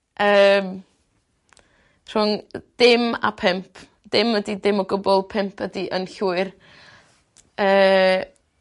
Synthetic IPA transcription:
ʔəːm | r̥ʊŋd̥ɪma̰pʰɛmpʰ | d̥ɪmwədidɪmɔɡʊbɔlˠpʰɛmpʰədiʔənɬuɨr | əː

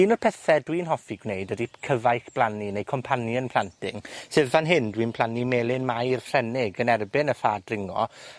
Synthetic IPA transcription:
iːnɔrpʰɛθɛdwiːnɦɔfiɡwnejdədikʰəvajxb̥lˠaninejkʰɔmpʰanjənpʰl̥ˠantʰɪŋseðvanɦɪndwiːnpʰl̥ˠanimeːlɪnmajr̥frɛnɪɡənɛrbɪnəfaːdrɪŋɔ̰

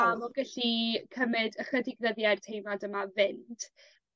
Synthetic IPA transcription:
alɔɡɛɬikʰəmɨdəχədɪɡnəðjartʰejmadəmavɪnd̥

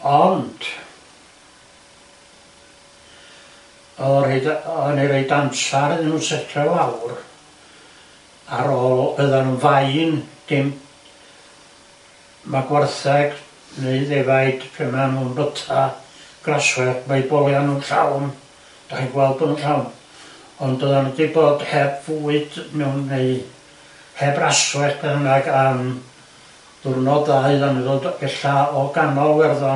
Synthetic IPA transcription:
ɔnd̥ | ɔreɨdɔniɾeɨdansaɾɨðnuːnsɛtʰɛlawr | aɾɔəðanunvaɨnɡ̥ɪm | maɡwarθɛɡ̥ | neɨðevajd̥pʰɛmanuːnbətʰaɡ̥raswɛrmeɨbɔlˠjanunɬa̰wn | d̥aχinɡwɛlˠd̚bɔnunɬawn | ɔnddəðanədiboːd̥hɛbvuɨd̥mɛwnːeɨ | hɛbraswɛχpʰɛhəŋaɡam | ðʊrnɔðaɨðaniðoldbɛɬaɔɡanɔlwɛrða

